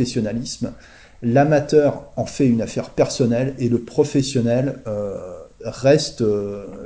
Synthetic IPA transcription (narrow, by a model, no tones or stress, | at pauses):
ɛsjɔnalism | lamat̪œʁɑ̃fɛynafɛʁpɛʁsɔnɛleləpχɔfɛsjɔnɛlø | ʁɛst̪ø